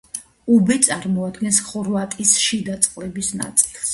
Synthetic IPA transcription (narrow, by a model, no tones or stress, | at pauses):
ubɛt̪sʼaɾmɔad̪ɡɛnsχɔɾvat̪ʼisʃid̪at̪sʼqʼlɛbisna̰t̪sʼi̥lˠs